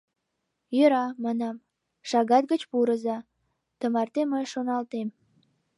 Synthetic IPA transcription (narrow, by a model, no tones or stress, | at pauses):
jəɾɑmɑnɑm | ʃɑɣɑt̪̚ɡət͡ɕpuɾəzɑ | t̪əmɑrt̪eməjʃonɑlt̪em